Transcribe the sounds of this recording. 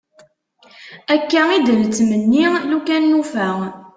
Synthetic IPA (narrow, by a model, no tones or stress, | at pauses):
ækːæid̪ənt͡sːmənːilukænːufæ